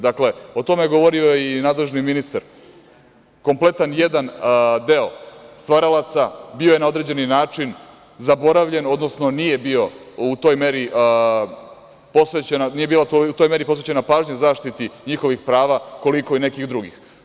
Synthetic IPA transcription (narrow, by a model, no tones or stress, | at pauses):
d̪akle̞o̞t̪o̞meeɡo̞ʋo̞ɾio̞einaːd̪le̞ʒniminist̪aɾ | ko̞mple̞t̪anjed̪and̪e̞o̞st̪ʋaɾalˠat̪sabio̞jenao̞d̪ɾed͡ʑe̞ninaːt͡ʂin | zabo̞ɾaʋʎe̞no̞d̪no̞sno̞nije̞bio̞ | ut̪o̞jme̞ɾi | po̞sʋet͡ɕenanije̞biːlat̪out̪o̞jme̞ɾipsʋet͡ɕe̞napaːʒɲazaːʃt̪it̪iɲixo̞ʋixpɾaːʋako̞liko̞ine̞kiɣd̪ɾuɡḭx